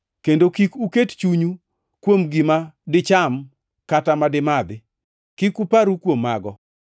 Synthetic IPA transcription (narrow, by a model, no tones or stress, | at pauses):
kendokikukett͡ʃuɲu | kwomɡɪmadɪt͡ʃam | katamadɪmad̪ɪ | kikupaɾukwomːa̰ɡɔ̰